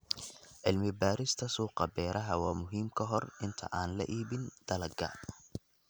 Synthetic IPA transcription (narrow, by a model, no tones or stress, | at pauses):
ʕɪlmɪbaːɾɪst̪ʰɐsuːqɑbɛːɾʔɐɦɐwɑːmʊɦiːmkʰɐɦɔrɪnt̪ʰɐ̰ʔaːnlɐ̰ʔiːβɪnd̪̥ɐlɐɡɐ̰